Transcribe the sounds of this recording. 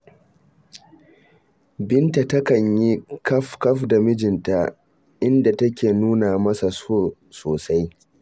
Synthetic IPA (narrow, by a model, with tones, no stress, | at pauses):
bɪ˦nta˨tɐ˦kɐ˨ɲji˦kɐ˦ɸkɐ˦ɸda˨mɪ˦d͡ʒɪ˨nta˦ | ʔɪ˦nda˨tɐ˦kʲeː˨nuː˦na˨mɐ˦sa˨o˦˨ | soː˨sa˦j